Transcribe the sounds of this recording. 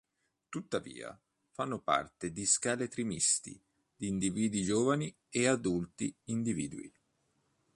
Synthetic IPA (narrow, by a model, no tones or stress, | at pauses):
t̪ut̪ːavḭːa̰ | fanːʊpa̰rt̪ed̪iskaːlet̪ɾimist̪ḭ | d̪̥iːnd̪iviːd̪id͡ʒoːvani | ead̪ult̪iind̪iviːd̪uḭ